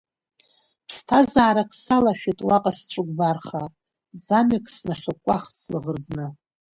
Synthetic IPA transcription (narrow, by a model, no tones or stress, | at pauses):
pʰstʰazaːɾakʰsalaʃᶣitʼwaqʼasʈ͡ʂʷʼɨɡʷbarχa | zamɪkʰʼsnaχʲʊkʷʼaχt͡sʰlɨʁərd͡znɨ